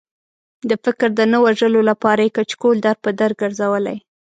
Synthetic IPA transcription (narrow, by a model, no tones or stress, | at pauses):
d̪əfɪkɾd̪ənəwaʒəlolapɑɾajekat͡ʃkold̪aɾpəd̪aɾɡ̚ɡəɾzawəla̰j